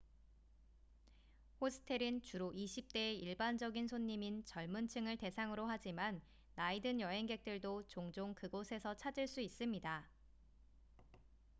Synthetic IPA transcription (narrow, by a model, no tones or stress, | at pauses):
hosʰɯ̥tʰe̞ɾɯnt͡ɕuɾoʔiɕʰip̚t͈e̞iɭband͡ʑʌɡinsʰoɲːimint͡ɕʌɭmunt͡ɕʰɯŋɯɭte̞sʰaŋɯɾoɦad͡ʑimanː | aidɯnjʌɦe̞ŋɡe̞k̚t͈ɯɭdot͡ɕoŋd͡ʑoŋkɯɡosʰe̞sʰʌt͡ɕʰad͡ʑiɭs͈uis͈ɯmɲida